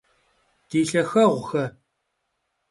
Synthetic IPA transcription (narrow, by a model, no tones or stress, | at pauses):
d̥iːɬɐxɐʁʷʊxɐ